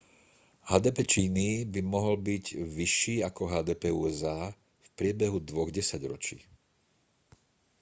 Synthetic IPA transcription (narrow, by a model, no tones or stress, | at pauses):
haːd̪ɛːpɛt͡ʃiːnibimɔɦɔlbiɟʋiʃːiːakɔɦaːd̪ɛːpɛːuːɛzaː | fpɾɪɛbɛɦud̪ʋɔɣɟɛsaɟɾɔt͡ʃḭː